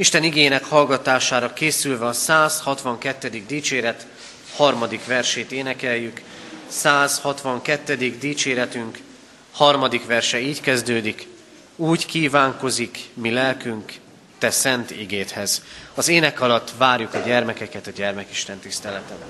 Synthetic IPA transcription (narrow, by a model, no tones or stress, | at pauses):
iʃt̪ɛniɡeːnɛkhɒlɡɒt̪aːʃaːɾɒkeːsylvɛɒsaːshɒt̪ʋɒŋkɛt̪ːɛd̪iɡ̚d̪iːt͡ʃeːɾɛt̪ | hɒrmɒd̪ikʋɛrʃeːt̪eːnɛkɛjːyk | saːzhɒt̪ʋɒŋkɛt̪ːɛd̪iɡd̪iːt͡ʃeːɾɛt̪yŋk | hɒrmɒd̪ikʋɛrʃɛiːckɛzd̪øːd̪ik | uːckiːvaːŋko̞zikmilɛlkyŋk | t̪ɛsɛnt̪iɡeːt̪hɛzɒzeːnɛkɒlɒt̪ːvaːrjukɒɟɛrmɛkɛkɛt̪ɒɟɛrmɛkiʃt̪ɛnt̪ist̪ɛlɛt̪ɛb